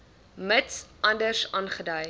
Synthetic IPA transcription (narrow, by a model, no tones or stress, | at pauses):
mətsʔɐndərsɑːnχədɐj